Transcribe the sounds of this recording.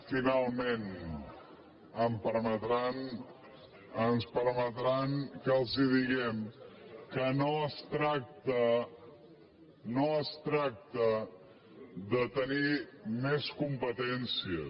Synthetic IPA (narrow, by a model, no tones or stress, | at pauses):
finalˠmen | əmpəɾmət̪ɾan | ənspəɾmət̪ɾankəlˠziðiɣɛmkənoəst̪ɾak̚t̪ə | noəst̪ɾak̚t̪ə | ðət̪ənimɛskumpət̪ɛnsiə